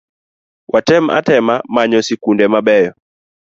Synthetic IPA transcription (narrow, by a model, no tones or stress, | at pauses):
wʔatɛma̰tɛmamaɲɔsikundɛmabɛjɔ